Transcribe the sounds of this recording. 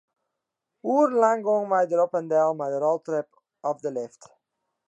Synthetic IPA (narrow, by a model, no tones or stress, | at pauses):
urlaŋɡoənʋɛjdəɾɔpəndɛlˠmɛjdəɾɔlˠtrɛp | ɔfdəlɪft